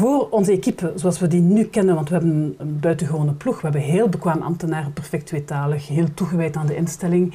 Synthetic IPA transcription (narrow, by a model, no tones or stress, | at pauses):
voːrɔnzəekipəzoɑlˠsʋədinykɛnənʋɑntʋəɦɛbənənbœɥtəɣəʋoːnəpluxʋəɦɛbənɦeːlˠbəkʋaːməʔɑ̰mtənaːrəpɛrfɛk̚tʋetaːləxɦeːlˠtuɣəʋɛjtaːndəʔɪnstɛlɪŋ